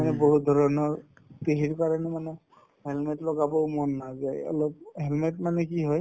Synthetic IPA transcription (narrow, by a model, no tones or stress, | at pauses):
anɛboɦud̪ʱɔɹɔnɔɹ | t̪eɦiɹkaɹɔnɛmanɛ | ɦelmetlɔɡabɔʊmɔnːazajɔ̰lɔp̚ɦelmetmanɛkiɦɔj